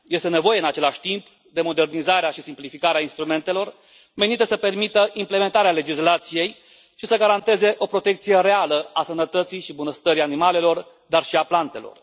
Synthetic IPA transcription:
je̞st̪ene̞vo̞jeɨnat͡ʃe̞laʃʲt̪imp | d̪e̞mo̞d̪e̞rnizaɾeaʃisimplifikaɾeainst̪ɾume̞nt̪e̞lo̞r | me̞nit̪əsəpe̞rmit̪əʔimple̞me̞nt̪aɾeale̞d͡ʒislat̪sije̞j | ʃisəɡaɾant̪e̞ze̞ʔo̞pɾo̞t̪e̞kt̪sije̞ɾe̞aləasənət̪ət̪sijʃibunəst̪əɾianimale̞lo̞r | d̪arʃiaplant̪e̞lo̞̰r

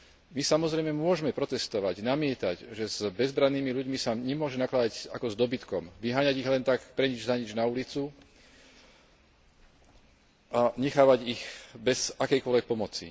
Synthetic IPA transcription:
misamɔzɾɛjmɛmʊɔʒmɛpɾɔt̪ɛst̪ɔʋaɟnamɪɛt̪aɟʒɛzbɛzbɾanːiːmiʎuɟmisaɲɛmʊɔʒɛnaklad̪aɟakɔzd̪ɔbit̪kɔmʋiɦaːɲaɟiɣlɛnt̪akpɾɛɲid͡ʒzaɲid͡ʒnaulit͡su | ʔaɲɛxaːʋaɟixbɛzakɛjkɔɔlʋɛk̚pɔmɔt͡sḭ

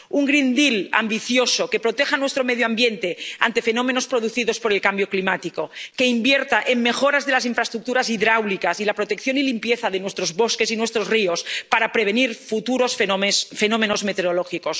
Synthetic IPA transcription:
uŋɡɾind̪ila̰mbiθjosoke̞pɾot̪exanwest̪ɾomeðjoambje̞nt̪e̞a̰nt̪e̞fe̞no̞mẽ̞no̞spɾo̞ðuθiðo̞spo̞ɾe̞lkambjoklimat̪iko̞ke̞imbjeɾt̪aʔeŋme̞xo̞ɾazðelasiɱfɾast̪ɾuk̚t̪uɾasiðɾawlikasilapɾot̪e̞kθjo̞nilimpje̞θaðenwe̞st̪ɾozβo̞ske̞sinwe̞st̪ɾo̞zriospaɾapɾeβ̞eniɾfut̪uɾo̞sffe̞no̞meno̞zme̞t̪eɾoloxikos

